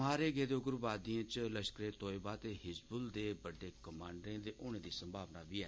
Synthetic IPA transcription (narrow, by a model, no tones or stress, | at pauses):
aːɾeːɡeːd̪eʊɡʊɾbaːd̪iãːt͡ʃləʃkəɾeːt̪oːebaːt̪eːɦɪsbʊld̪eːbəɖeːkəmãːɳɖɾẽːd̪eːʔʊɽ̃ẽːd̪iːsə̃mbʱaːʋnaːʋiːɛː